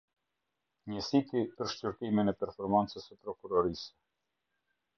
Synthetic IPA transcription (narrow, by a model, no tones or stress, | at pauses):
ɲəsit̪ipəɾʃcyɾt̪iminɛpɛɾfɔɾmant͡səsəpɾɔkuɾɔɾisɛ̥